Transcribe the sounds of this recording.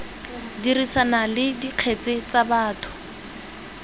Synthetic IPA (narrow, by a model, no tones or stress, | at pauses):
dirisanalɪdiq͡χʰet͡sɪt͡sabaːtʰʊ̥